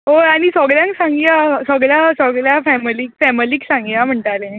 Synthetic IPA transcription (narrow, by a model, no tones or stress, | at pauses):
ɦoaɽ̃isɔɡɭjãŋksãŋɡiasɔɡɭjasɔɡljafɛmliːkfɛməliːksãŋɡijam̤əɳʈ̪alẽ